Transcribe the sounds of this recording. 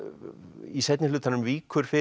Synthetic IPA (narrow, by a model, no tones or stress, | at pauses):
isɛjt̪nɪlʏːt̪anʏmviːkʏɾ̥fɪ